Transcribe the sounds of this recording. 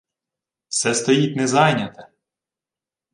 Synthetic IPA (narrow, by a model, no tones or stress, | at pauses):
wsɛst̪ɔjit̪ʲnɛzɑjnʲɐt̪ɐ